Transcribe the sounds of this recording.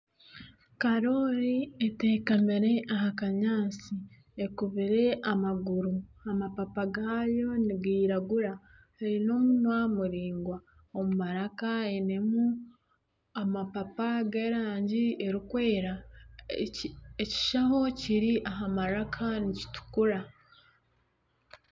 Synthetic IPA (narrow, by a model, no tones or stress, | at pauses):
kaɾo̞ɾiete̞ːkamiɾe̞ʔaɦakaɲaːt͡si | ekuβiɾe̞ʔamaɡuɾuamapapaɡajo̞niɡiːɾaɡuɾa | eɾino̞munwamuɾiːŋɡwa | omumaɾakaenemu | amapapaɡeɾaːɲɟieɾikwe̞ːɾa | eci̥ʃaɦo̞ciɾiʔaɦamaɾakʰanici̥tu̥kuɾa